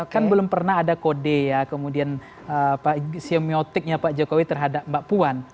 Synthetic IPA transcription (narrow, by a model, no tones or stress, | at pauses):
kanbəlʊmpərnaɦadakodejakəmudian | əpasiomiot̪ɪk̚ɲapad͡ʒokowit̪ərɦadap̚mbaʔpuan